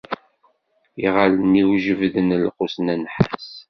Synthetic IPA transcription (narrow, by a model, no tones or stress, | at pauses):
iʁaləniwiʒəvðənəlqusnænħaas